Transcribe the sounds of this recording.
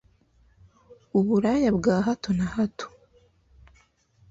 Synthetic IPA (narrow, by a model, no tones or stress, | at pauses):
uβuɾajabɡaːɦatonahato̥